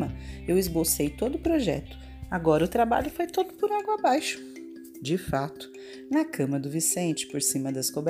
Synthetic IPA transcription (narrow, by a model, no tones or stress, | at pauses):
mɐewɪzbosejt̪od̪ʊːpɾoʒɛ̰t̪ʊ̥ | aɡɔɾɐʊt̪ɾaba̰ʎʊfojt̪od̪ʊpʊɾaɡwabajʃʊ̥ | d͡ʒɪfat̪ʊ̥ | nɐkɐ̃mɐd̪ʊvisẽnt͡ʃɪ̥poɾsĩmɐd̪ɐskobɛ